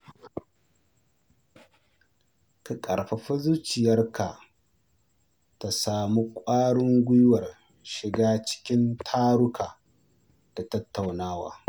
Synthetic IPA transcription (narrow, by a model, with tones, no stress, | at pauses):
ka˨kʼɐ̰˨ɽɸa˨ɸɐ˦zuː˦t͡ʃɪ˨jɐ˦rkʰa˨ | ta˨saː˨mu˦kʷʼaː˦ɽʊ˦ŋɡʷʊ˦jwɐ˨r | ʃɪ˨ɡaː˦t͡ʃɪ̥˦kʲɪ˦ntʰaː˦ɽʊ˦kʰaː˨ | d̥a˨tɐ˦tːa˨wnaː˦wa̰ː˨